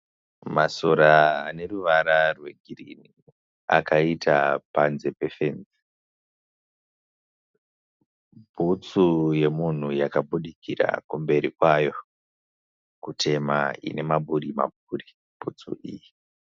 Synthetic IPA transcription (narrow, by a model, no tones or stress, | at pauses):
maso̞ɾaːne̞ruʋaɾarwe̞ɡʱirḭni | a̰kaitapanze̞pe̞fenzi̥ | bʱut͡suje̞mun̤ujakaɓuɗikira̰kumbe̞ɾikwajo̞ | kutʰe̞ma̰ḭne̞maɓuɾima̰b̚ʱuːri | b̥ʱṵt͡sṵʔiːji